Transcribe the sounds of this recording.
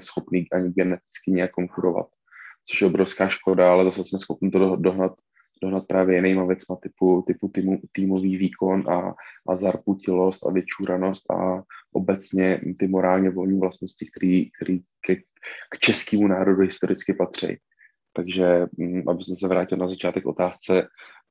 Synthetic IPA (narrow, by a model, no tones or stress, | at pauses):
ɛsxo̞pniːʔaɲɪɡɛnɛt̪ɪ̥t͡skɪɲɛjakːoŋkuɾo̞va̰t̪̚ | t͡soʃjɛobɾo̞fskaːʃko̞daalɛzasɛsmɛsxo̞pniːt̪odoɦnat̪ | d̥oɦnat̪̚pɾaːvjɛjɪnɛjmavjɛt͡smat̪ɪput̪ɪput̪mt̪iːmo̞viːviːkʰo̞nʔa̰ʔazaɾpucɪlo̞st̪a̰vjɛt͡ʃuːɾano̞st̪ʔa̰ʔobɛt͡sɲɛt̪ɪmo̞ɾaːlɲɛvo̞lɲiːvlast̪no̞scɪk̚t̪ɛɾiːk̚t̪ɛɾiːkɛ | kt͡ʃɛskiːmunaːɾoduɦɪst̪o̞ɾɪt͡skɪpat̪r̝̥ɛ̰j | t̪aɡʒɛʔa̰bɪsɛmsɛvɾaːcɪlnazat͡ʃaːt̪ɛko̞̰t̪aːst͡sɛ